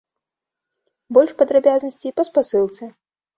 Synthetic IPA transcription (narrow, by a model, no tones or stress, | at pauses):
bɔlʲʂpɐd̪ɾabʲaznɐsʲt͡sʲipɐspasɨlˠt̪sɛ